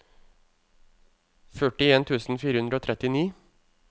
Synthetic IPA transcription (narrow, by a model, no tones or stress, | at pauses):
fœʈɪeːnt̪ʰʉːsn̩fiːɾəhʉnd̪ɾəoːt̪ʰɾɛt̪ɪniː